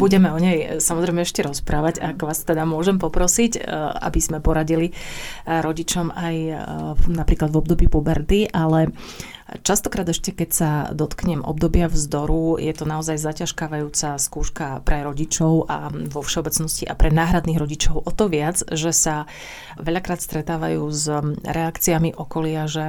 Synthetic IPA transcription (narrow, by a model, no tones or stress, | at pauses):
buɟɛmɛɔɲɛjsamɔzɾɛɪjmɛɛʃcɛɾɔspɾʔaːʋaɟaɡʋaːst̪ɛd̪amʊɔʒɛmpɔpɾɔsica̰bizmɛpɔɾaɟili | ɾɔɟit͡ʃɔmaj | napɾiːklad̪vɔb̚d̪ɔbiːpubɛɾt̪iʔalɛ | t͡ʃast̪ɔkɾaːd̪ɛʃcɛkɛcsad̪ɔt̪kɲɛmʔɔ̰bd̪ɔbɪavzd̪ɔɾujɛt̪ɔnaɔzajzacaʃkaːʋajuːt͡saskuːʃkapɾɛɾɔɟit͡ʃɔʊʔa̰ʋɔfʃɛɔbɛt͡snɔsciʔa̰pɾɛnaːɦɾad̪niːɣɾɔɟit͡ʃɔʊʔɔt̪ɔʋɪad͡zʒɛsa | ʋɛʎakɾaːt̪st̪ɾɛt̪aːʋa̰juːzɾɛakt͡siamiʔɔkɔlɪaʒɛ